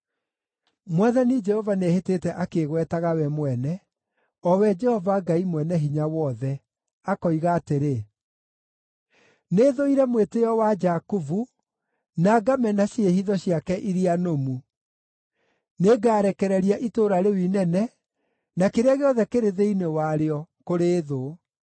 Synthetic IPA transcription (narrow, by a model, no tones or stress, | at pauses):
mwaðanid͡ʒɛhɔvaneheteːtɛʔakeɣwɛtaɣawɛmwɛnɛ | ɔwɛd͡ʒɛhɔvaɡaimwɛnɛɦiɲawɔðɛ | akɔiɣaːteɾe | neðoiɾɛmwetejɔwad͡ʒakuvu | naɡamɛnaɕehiðɔɕiakɛʔiɾianomu | neɡaːɾɛkɛɾɛɾiaʔitoɾaɾewinɛnɛ | nakeɾeaɣeɔðɛkeɾeðeinewaɾeɔkoɾeːðo